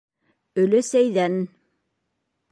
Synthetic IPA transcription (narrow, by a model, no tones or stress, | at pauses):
ɵ̆lɘsæjðæn